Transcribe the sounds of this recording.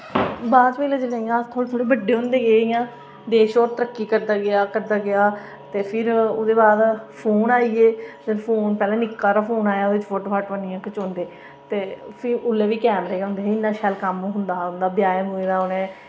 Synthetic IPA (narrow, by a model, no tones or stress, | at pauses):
baːd̪peːled͡ʒəlãːjãt̪ʰoːɽt̪ʰoːɽeːbəɖːeːɦʊ̃nd̪eːɡeːijãː | d̪eːʃɔːɾt̪əɾəkːiːkəɾd̪aːɡɪaːkəɾd̪aːɡɪaː | t̪eːpʰɪɾoːd̪eːbaːd̪pʰoːnaːiːeːd͡ʒəlpʰoːnpɛːlãːnɪkːaːɾaːpʰoːnaːjaːoːdɪt͡ʃfʰoːʈoːkʰaʈʋənɪjãːkʊt͡ʃɦõnd̪eː | t̪eːpʰɪʊlːeːʋiːkɛːmɾeːɡeʊ̃nd̪eːɪnːãːʃaːlkəmːɦʊnd̪aːʊnd̪aːbjaːmueːd̪aːʊnɛ̃ː